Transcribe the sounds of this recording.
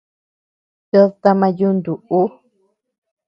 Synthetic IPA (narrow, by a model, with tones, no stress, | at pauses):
t͡ʃo˦t̪a˧mã˧ju˦nd̪u˨ʔu˦